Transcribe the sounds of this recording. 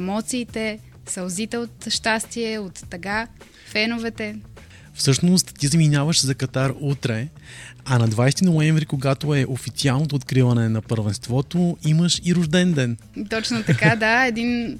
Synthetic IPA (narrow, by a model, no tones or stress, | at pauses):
mɔt̪siːt̪ɛ | sɐlˠzit̪ɛot̪ʃt̪ast̪iɛot̪ːɐɡa | fɛnovɛt̪ɛ | fsɤʃnost̪ːizɐminʲavəʃzɐkɐt̪aɾut̪ɾɛ | ɐnɐd̪vajst̪inoɛ̃ɱvɾikoɡat̪oɛʔofit̪sialˠnot̪oːt̪kɾivɐnɛnɐpəɾvɛnst̪vɔt̪oiməʃiɾʊʒd̪ɛnd̪ɛn | t̪ɔt͡ʃnot̪ɐkad̪aɛd̪in